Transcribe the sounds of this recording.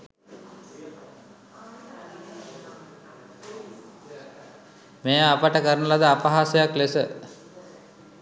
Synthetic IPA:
mejapəʈəkəɾnəlad̪əapaɦasejaklesə

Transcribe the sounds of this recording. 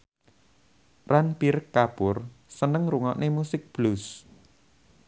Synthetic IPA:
ranpirkapʊrsənəŋruŋɔʔnʔemusɪk̚b̥lus

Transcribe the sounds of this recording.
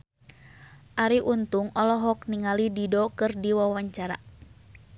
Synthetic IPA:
ʔaɾiʔunt̪uŋɔlɔɦɔk̚niŋalididɔkɨrdiwawaɲt͡ʃaɾa̰

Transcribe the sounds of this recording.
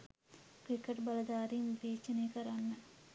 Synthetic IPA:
kɾikeʈbɐləd̪aːɾinleːt͡ʃɐneːkəɾanːə

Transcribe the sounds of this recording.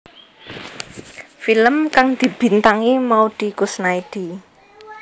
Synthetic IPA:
filəmkaŋd̪̥i̤b̥i̤nt̪aŋimaud̪̥i̤kusnaid̪̥i̤

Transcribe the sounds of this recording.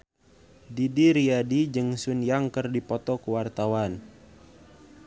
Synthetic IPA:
didiɾiadid͡ʒəŋsunjaŋkərdipɔt̪ɔkəwart̪awan

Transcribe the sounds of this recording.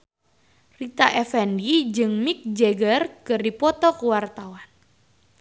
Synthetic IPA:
rit̪aʔɛfɛndid͡ʒɨŋmik̚d͡ʒeɡərkɨrdipɔt̪ɔkuwart̪awan

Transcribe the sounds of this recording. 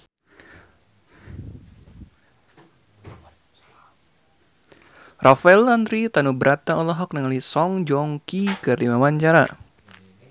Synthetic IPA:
rʔafɛland̪ɾit̪anubəɾʔat̪aɔlɔɦɔk̚nəŋalisɔŋd͡ʒɔŋkikɨrdimamaɲt͡ʃaɾa̰

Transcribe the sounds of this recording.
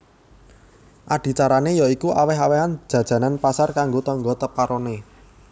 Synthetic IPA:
ʔaɖ̥i̤t͡ʃaɾanejɔikuʔawɛɦaweɦan̥d͡ʒ̥ä̤d̥ʒ̥ä̤nanpasarkaŋɡot̪ɔŋɡɔt̪əpaɾɔne

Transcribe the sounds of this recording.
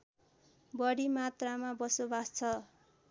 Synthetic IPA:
bʌɽimat̪ramabʌsobast͡sʰʌ

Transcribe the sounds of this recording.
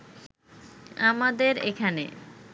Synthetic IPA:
amad̪eɾekʰanḛ

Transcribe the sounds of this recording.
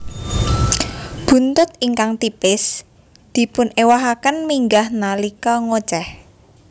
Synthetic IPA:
b̥ṳnt̪ʊt̪iŋkaŋt̪ipɪs | d̪̥i̤pʊnewaɦakənmiŋɡahnalikɔŋo̥t͡ʃɛh

